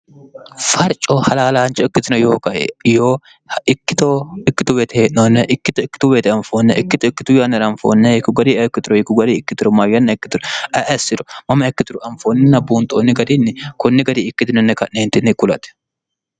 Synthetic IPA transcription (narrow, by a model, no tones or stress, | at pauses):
fɐɾt͡ʃʼohɐlaːlaːnt͡ʃɔɪkːɪt̪ɪnɐjoːkɐʔḛjoː | ɪkːɪt̪oɪkːɪt̪ʊweːt̪ɛheːʔnonːɛʔɪkːɪt̪ʊɪkːɪ̥t̪ʊweːt̪ɛɐɱfoːnːɛʔɪkːɪt̪ɪkːɪt̪ʊjɐnːɐɾɐɱfo̰ːnːɛɪkːʊɡɐd̪iɛɪkːɪt̪ʊɾɔhɪkːʊɡɐd̪iɪkːɪt̪ʊɾɔmɐjːɐnːɐɪkːɪt̪ʊɾɔʔɐʔɛsɪɾɔmɐmɐɪkːɪt̪ʊɾʊʔɐmfoːnːɪnɐbuːnt̪ʼonːɪɡɐd̪inːɪkʊnːɪɡɐd̪iɪkːɪt̪ɪnɔnːɛkɐneːnt̪ɪnːɪkːʊlɐ̰t̪ɛ̥